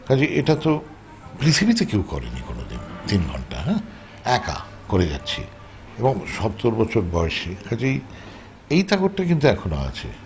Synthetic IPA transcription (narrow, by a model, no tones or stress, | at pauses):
kad͡ʑiʔeʈat̪o | pɾit̪ʰibit̪ekewkɔɾḛnḭkono̰d̪ḭnt̪inɡʱɔɳʈa̰ɦɛ̃ | ɛka̰ | koɾeɡɛ̰tːɕʰḭ | eboŋʃɔt̪ːoɾbɔt͡ɕʰoɾbɔeʃekʰad͡ʑi | ejt̪aɡoʈʈːakint̪uɛkʰono̰a̰t͡ɕʰḛ